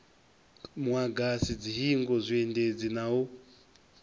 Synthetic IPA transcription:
mwaɡasid͡ziɦiŋɡɔzʷiended͡zinau

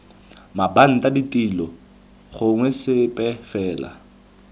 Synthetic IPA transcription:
maban̩taditʼilɔ | χʊŋwɛsɪpʼɛfɛːla̰

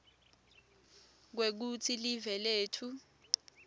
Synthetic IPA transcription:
k̬wek̬utʰilivɛleːtʰu

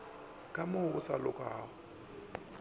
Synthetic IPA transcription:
kʼamʊɣʊsa̰lʊkʼaːɣʊ

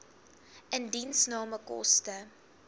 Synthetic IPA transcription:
ʔəndinsnɑːməkɔ̰stə

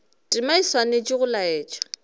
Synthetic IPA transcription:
tʼimaiswanet͡ʃʼiɣʊlaɛːt͡ʃʼɔ̥

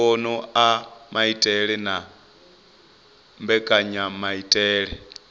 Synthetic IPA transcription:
ɔnɔamaitʼɛɺɛna | mbɛkʼaɲamaitʼɛːɺɛ

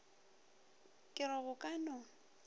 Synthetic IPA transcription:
kʼɪɾɔɣʊkʼanɔ

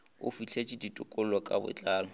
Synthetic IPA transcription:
ʊfit͡ɬʰet͡ʃʼiditʼʊkʼʊl̩lwɔkʼabʊ̰t͡ɬʼaːlɔ

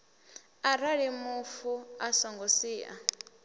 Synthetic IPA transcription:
aɾaɺimufuasɔŋɡosiːʔa̰

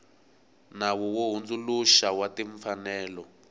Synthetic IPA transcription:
nawɔwoɦund͡zuluʃawatiɱfanɛːlɔ

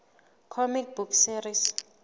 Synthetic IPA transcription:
kʰɔmik̚buksiɾis

